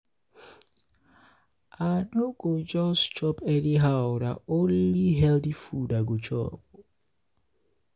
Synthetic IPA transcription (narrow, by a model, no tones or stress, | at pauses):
anoɡod͡ʒɔst͡ʃɔpɛniɦawda̰onliɦɛldifudaɡot͡ʃɔ̰p